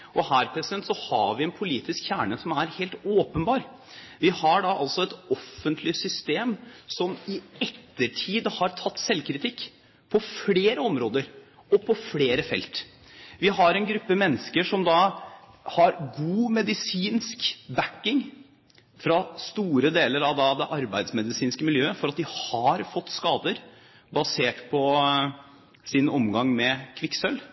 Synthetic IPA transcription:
ʔɔhæːɾpʰɾɛsɪd̪ɛnt̪sɔhɑ̰ɾʋɪɛnpʰʊliːt̪ɪskçæːɳəsɔmæɾheːlt̪oːpənbɑːɾ | ʋɪhɑɖɑʔɑlsɔɛt̪ɔfənt̪ʰlɪsʏst̪eːmsɔmɪɛt̪ːəʈʰiːd̪hɑɾt̪ʰɑt̪ːsɛlkɾɪt̪ʰɪkː | pʰɔfleːɾəɔmɾoːd̪əɾ | ɔpʰɔfleːɾəfɛ̰lt̪ | ʋɪɦɑɾɛnɡɾʉpːəmɛnːəskəʂɔmd̪ɑ | hɑɾɡuːmɛd̪ɪsiːnskbækːɪŋ | fɾɑst̪uːɾəd̪eːləɾɑʋd̪ɑd̪ɛʔɑɾbæɪd̪smɛd̪ɪsiːnskəmɪljøːəfɔɾɑt̪̚d̪ɪhɑɾfɔt̪ːskɑːd̪əɾ | bɑseːʈpʰɔ | sɪnɔmɡɑŋmɛkʰʋɪksœlː

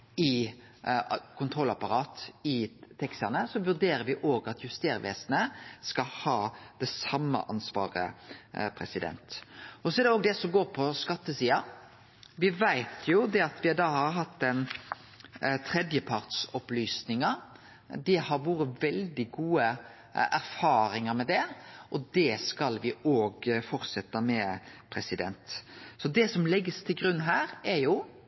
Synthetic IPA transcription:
ɪ | kʊnt̪ʰɾɔlːɑpɑɾɑːt̪ɪt̪ʰɛkst̪ɑnəsɔʋʉɾd̪eːɾəɾʋɪʔoːɡɑt̪ʰjʉst̪eːɾʋḛːsnəskɑhɑːd̪̥ɛsɑmːə̰ʔɑnsʋɑ̰ːɾə̰pʰɾɛsɪd̪ɛ̰nt̪ʔɔsɔɛæɖ̪ɛoːɡd̪ɛsɔmɡoːɾpʰɔskɑt̪ːəsiːɑ | ʋɪʋæɪt̪ʰjʊd̪ɛɑt̪ʋɪd̪ɑːhɑɾɦɑt̪ːd̪ɛn | t̪ʰɾɛd̪jəpʰɑɾt̪sɔplyːsnɪŋɑ | d̪ɪhɑɾʋuːɾəʋɛld̪ɪɡuːə | ʔæɾfɑːɾɪŋɑɾmɛd̪ɛʔɔd̪ɛskɑlʋɪoːɡfɔɾsɛt̪ːɑmɛpʰɾɛsɪd̪ɛ̰nt̪sɔd̪ɛsɔmlɛɡːəst̪ʰɪlɡɾʉnːɦæːɾæɾjʊ

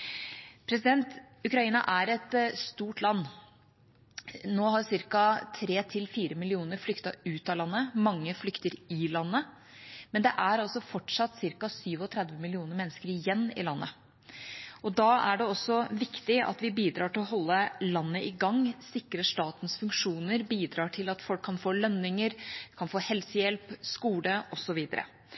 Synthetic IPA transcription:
pʰɾɛsɪd̪ɛnt̪ | ʉkɾɑiːnɑ̰ʔæɾɛt̪st̪uːʈlɑnː | noːhɑɾsɪɾkɑt̪ʰɾeːt̪ʰɪlfiːɾəmɪlɪuːnəɾflʏkt̪ɑʉːt̪ɑlɑnːəmɑŋːəflʏkt̪əɾɪlɑnːə | mɛnd̪ɛʔæɾɑlsɔfɔʈʂɑt̪ːsɪɾkɑsyːʋɔt̪ʰɾɛd̪ʋəmɪlɪuːnəɾmɛnːəskəɾɪjɛnːɪ̰lɑnːə̰ | ɔd̪ɑːæɖɛɔsɔʋɪkt̪ɪɑ̰t̪ʋɪbiːd̪ɾɑːʈɪlɔɦɔlːəlɑnːəʔɪɡɑŋːsɪkɾəʂt̪ɑːt̪n̩sfʉŋkʂuːnəɾbiːd̪ɾɑːʈʰɪlɑt̪fɔlkʰːɑnfoːlœnːɪŋəɾkʰɑnfoːhɛlsəjɛlpskuːləʔɔsɔʋiːd̪ə̰ɾə̰

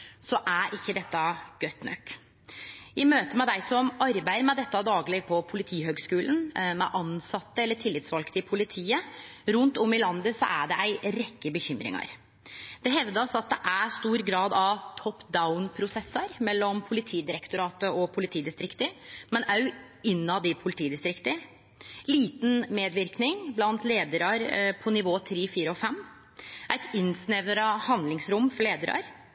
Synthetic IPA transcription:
sɔʔæɾʔɪçːəd̪ɛt̪ːɑɡ̥œt̪nœ̰kː | ɪmøːt̪əmɛd̪æɪsɔmɑɾbæɪəɾmɛd̪ɛt̪ːɑd̪ɑːɡlɪpʰɔpʰʊlɪt̪ʰiːhøːɡskʉːln̩mɛ̰ʔɑnsɑt̪ːəɛlːəʈʰɪlːɪt̪sʋɑlkt̪ɪpʰʊlɪt̪ʰiːəɾʉnt̪ɔmːɪlɑnd̪əsɔ̰ʔæɖɛʔæɪɾɛkːəbəçʏmɾɪ̰ŋɑ̰ɾ | d̪̥ɛɦɛʋd̪əɾɑsɔɑt̪̚d̪ɛʔæst̪uːɾɡɾɑːd̪ɑʋt̪ʰɔpːd̪aʊnpʰɾʊsɛsːɑɾmɛlːɔmpʰʊlɪt̪ʰiːd̪ɪɾɛkt̪ʊɾɑːt̪əɔpʰʊlɪt̪ʰiːd̪ɪst̪ɾɪkt̪əmɛnæjʉ | ɪnːɑd̪ɪpʰʊlɪt̪ʰiːd̪ɪst̪ɾɪkt̪ə | liːt̪n̩meːd̪ʋɪɾknɪŋblɑnt̪leːd̪əɾɑɾpʰɔnɪʋoːt̪ʰɾiːfiːɾəɔfɛmː | ʔæɪt̪ɪnsnɛʋəɾəhɑnd̪lɪŋsɾʊmːfɔɭeːd̪əɾɑ̰ɾ

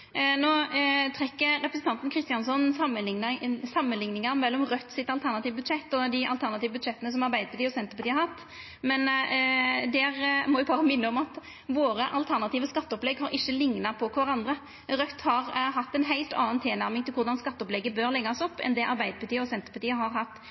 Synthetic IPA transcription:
noːt̪ʰʁɛkːəɾɛpɾəsn̩t̪ɑnt̪nkʰɾɪst̪ɪɑnsɔn | sɑmːənlɪŋnɪŋɑɾmɛlːɔmʁœt̪ːsɪt̪ɑlt̪ʰæʁnɑt̪iːʋəbʉd̪ʂɛt̪ːɔd̪ɪʔɑ̰lt̪ʰæʁnɑt̪iːʋəbʉd̪ʃɛt̪ːənəsɔmɑɾbæɪd̪əpɑt̪iːəɔsɛnt̪əɾpɑt̪ːhɑɾhɑt̪ː | mɛn | d̪ɛʁmɔʋʊpʰɑɾəmɪnːəɔmɑt̪ | ʋoːɾəʔɑlt̪ʰæʁnɑt̪iːʋəskɑt̪ːəɔplɛɡhɑɾʔɪçːəlɪŋnɑpʰɔkʰʋɑɾɑnd̪ʁə | ɾœt̪ːhɑʁɦɑt̪ːɛnɦæɪlt̪ɑ̰ːnt̪ʰeːnæɾmɪŋt̪ɪlkʊʁd̪ɑnskɑt̪ːɔplɛɡəbøɾlɛɡːɑsɔpːɛ̰nd̪ɛʔɑɾbæɪd̪əpɑt̪iːəɔsɛnt̪əɾpɑt̪iːəhɑɾhɑt̪ː

